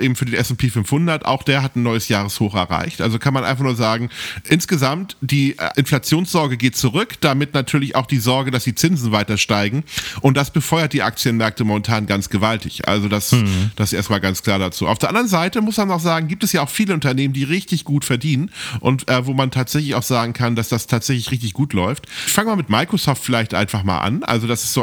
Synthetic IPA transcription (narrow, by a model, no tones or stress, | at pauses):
ʔeːbm̩fyːɐdeːnɛsɛmpʰeːfʏnfhʊndɐtʔa̰ʊxd̥eːɐɦatn̩nːɔʏəsjaːʁ̞əshoːxɛ̰ɐʁa̰ɪçtʔa̰lzokʰanmanʔa̰ɪnfaχnuːɐzaːɡŋ̩ʔɪnsɡ̥əzamtd̥iːʔɪnflat͡sjoːnsz̥ɔɐɡəɡeːt̚t͡suʁʏkd̥amɪtnatʰyːɐlɪça̰ʊxd̥iːzɔɐɡədasd̥iːt͡sɪnzn̩vaɪtɐʃtaɪɡŋ̩ʔʊnt̚d̥asb̥əfɔʏɐt̚d̥iːʔa̰k̚t͡sjənmɛɐk̚təmomɛntʰaːnɡant͡ssɡ̥əvaltɪçʔa̰lzodasd̥asʔeːɐstmaːlɡant͡skʰl̥aːɐɾat͡sṵːa̰ʊfd̥ɛɐʔandɐʁənzaɪtəmʊsmanaʊxz̥aːɡŋ̩ɡiːp̚tɛsjaːaʊxfiːləʊntɐneːməndiːʁɪçtɪçɡ̥uːtfɛɐdiːnənʔʊ̰ntʔɛːvoːmantʰaːtz̥ɛçlɪçaʊxz̥aːɡŋ̩kʰandasd̥astʰaːtz̥ɛçlɪçʁɪçtɪçɡ̥uːtlɔʏftçfaŋəmaːmɪtmaɪkʁ̥osɔːftfɪlaɪçtʔa̰ɪnfaχma̰ːlʔa̰nʔa̰lzodasɪ̥sz̥oː